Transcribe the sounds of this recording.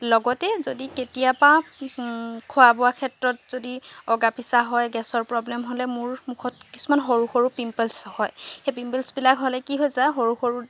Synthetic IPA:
lɔɡɔtɛzodiketijapa | kʰʊabɔwakʰɛtɹɔtz̥odiɔɡapisaɦɔjɡɛsɔɹpɹɔblɛmɦolɛmʊɹmukʰɔtkisumanɦoɹuxoɹupimpɛlshɔjxejpimpɛlsbilakɦolɛkiɦojzaɦoɹuxoɹu

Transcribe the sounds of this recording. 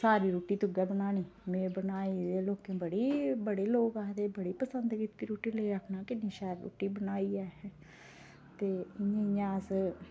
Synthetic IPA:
saːɾiːɾuːʈiːt̪ʊɡɛːbənaːñiːmẽːbənaːiːd̪eːloːkẽːbəɽiːbəɽeːloːkaːɦd̪eːbəɽiːpəsənd̪kit̪ːiːɾuːʈiːləiːɾəkʰnaːkɪnːĩːʃɛːəɾɾo̰ːʈiːbənaːiːɛː | t̪eːɪɲẽːjãːs

